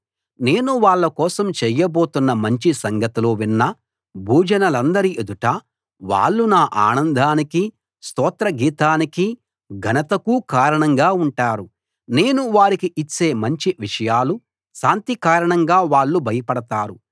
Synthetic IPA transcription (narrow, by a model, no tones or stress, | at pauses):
ne̞ːnuʋaːɭːɐkɔːsɐmt͡ʃɛjɐbo̞ːt̪unːɐmɐɲt͡ʃisɐŋɡɐt̪ilo̞ːʋinːɐ | bʱuːd͡ʒɐnɐlɐnd̪ɐɾiʔed̪uʈa | ʋa̰ːɭːunaːʔaːnɐnd̪ʱaːniki | st̪ɔːt̪ɾɐɡiːt̪aːniki | ɡʱɐnɐt̪ɐkuːkaːɾɐɳɐŋɡaːuɳʈaːɾu | ne̞ːnuʋaːɾikiʔit͡ʃːe̞ːmɐɲt͡ʃiʋiʂɐjaːlu | ʃaːnt̪ikaːɾɐɳɐŋɡaːʋaːɭːubʱɐjɐpɐɽɐt̪aːɾu